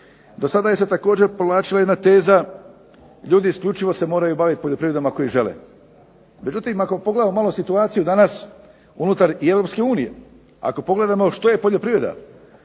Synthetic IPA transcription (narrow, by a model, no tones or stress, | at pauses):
d̪o̞sad̪ajeset̪ako̞ːd͡ʑe̞ɾpoʋlˠaːt͡ʃilˠajed̪nat̪e̞ːza | ʎuːd̪iːskʎʲut͡ʃiʋo̞se̞mo̞ːɾajubaʋit̪ipo̞ʎʲo̞pɾiʋɾeamako̞iʒe̞lḛ | me̞d͡ʒut̪imakopoɡle̞d̪amomalosit̪uaːt̪sijud̪anas | unut̪aɾie̞vɾo̞pske̞uːnije̞̰ | a̰ko̞po̞ɡle̞d̪amo̞ʃt̪o̞je̞po̞ʎo̞pɾiːʋɾe̞d̪a̰